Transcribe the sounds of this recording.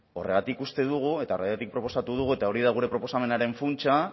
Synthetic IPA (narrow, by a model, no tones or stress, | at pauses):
o̞re̞ɣat̪ikust̪e̞ðuɣ̞ue̞t̪aorajat̪ik̚pɾo̞po̞sat̪uðuɣue̞t̪ao̞ɾiðaɣ̞uɾe̞pɾo̞po̞same̞naɾe̞ɱfunt͡ʃa